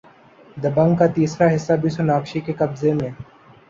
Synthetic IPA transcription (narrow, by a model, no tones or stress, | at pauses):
d̪ɐbə̃ŋɡkat̪iːsɾaɦɪsːabʱisʊnaːkʃikekɐbzemẽː